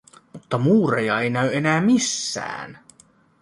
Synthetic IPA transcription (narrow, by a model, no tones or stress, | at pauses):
mut̪ːɑmuːrejɑe̞jnæyenæːmisːæ̰ːn